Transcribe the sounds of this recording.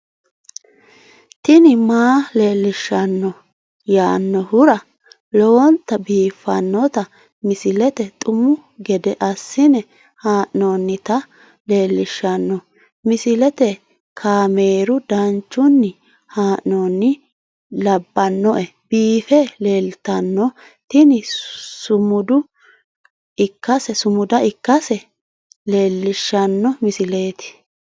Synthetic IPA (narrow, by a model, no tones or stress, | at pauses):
t̪ɪnɪmaːleːlːɪʃːɐnːɔ | jaːnːɔhʊɾɐ | lɔwɔnt̪ɐbiːfːɐnːɔt̪ɐ | mɪsɪlɛt̪ɛt̪ʼʊmʊ | ɡɛd̪ɛʔɐsːɪnɛ | haːʔnoːnːɪt̪ɐ | le̞ːlːɪʃːɐnːɔ | mɪsɪlɛt̪ɛ | kʰaːmeːɾʊd̪ɐnt͡ʃːʊnːɪ | haːʔnoːnːɪ | lɐbːɐnːɔʔɛbiːfɛle̞ːlt̪ɐnːɔ | t̪ɪnɪsʊmʊd̪ʊ | ɪkːɐsɛsʊmʊd̪ɐɪkːɐsɛ | le̞ːlːɪʃːɐnːɔmɪsɪle̞ːt̪ɪ̥